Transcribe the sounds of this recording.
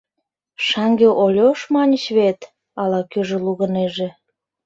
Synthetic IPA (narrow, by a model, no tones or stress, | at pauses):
ʃɑŋɡeʔolʲoʃmɑnʲət͡ɕβet̪ | ɑlɑkøʒĕluɣəneʒe